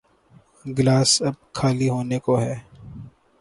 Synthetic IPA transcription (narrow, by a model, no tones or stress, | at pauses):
ɡlaːsɐb̚kʰaːliɦoːnekoɦɛː